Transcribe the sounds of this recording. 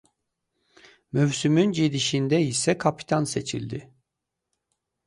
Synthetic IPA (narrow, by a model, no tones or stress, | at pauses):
møvsymynd͡ʒid̪iʃind̪ɛisɛkʰapi̥t̪ʰanse̞t͡ʃʰḭlʲd̪ɪ